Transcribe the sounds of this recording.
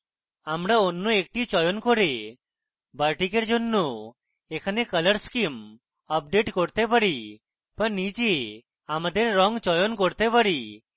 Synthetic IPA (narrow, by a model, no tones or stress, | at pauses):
amɾaonːoek̚ʈit͡ʃɔjonkoɾe | baɾʈikeɾd͡ʒonːo | ekʰanekələɾskim | əp̚ɖeʈkoɾt̪epaɾi | b̥anid͡ʒe | amad̪eɾːɔŋt͡ʃɔjonkoɾt̪epaɾi